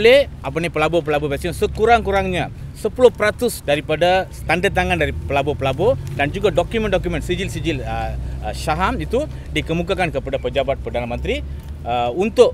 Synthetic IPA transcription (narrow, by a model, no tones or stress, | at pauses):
lɛhʔap̬anipəlabopəlabobɛsənsəkuɾaŋkuɾaŋɲasəpulʊhpəɾat̪ʊsdaɾipadasə̥t̪andadt̪aŋandaɾipəlabopəlabodand͡ʒuɡadɔkjumɛ̃ndɔkjumə̃nsid͡ʒilsid͡ʒiləʃaɦamit̪u | dikəmukakankəpadapəd͡ʒabat̪̚pərdanamə̃nt̪ɾi | unt̪ʊʔ